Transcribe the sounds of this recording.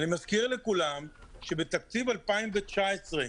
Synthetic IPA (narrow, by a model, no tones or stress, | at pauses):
nimazkiʁlekulamʃebet̪ak̚t͡sivalpaimvet͡ʃaesʁe